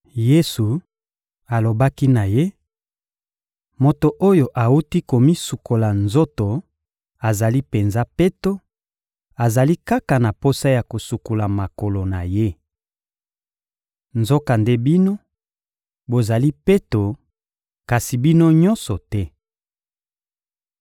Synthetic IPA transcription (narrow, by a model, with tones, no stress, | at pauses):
je˦su˨ | a˨lo˨ba˦ki˦na˨je˦ | mo˨to˨ʔo˦jo˨ʔa˨u˦ti˦ko˨mi˦su˨ko˨la˨nzo˦to˨ | a˨za˨li˦pe˨nza˦pe˦to˦ | a˨za˨li˦ka˦ka˨na˨po˦sa˦ja˨ko˨su˨ku˨la˨ma˨ko˨lo˨na˨je˦ | nzo˦ka˨nde˦bi˦no˦ | bo˨za˨li˦pe˦to˨ | ka˨si˨bi˦no˦ɲɔ̃˦nsɔ˨tɛ˦